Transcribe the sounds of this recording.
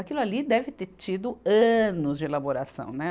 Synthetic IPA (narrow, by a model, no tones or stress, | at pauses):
akilʊalid̪ɛvɪt̪eɾt͡ʃid̪ʊɐ̃nʊzd͡ʒɪelaboɾasɐ̰̃w̃nɛ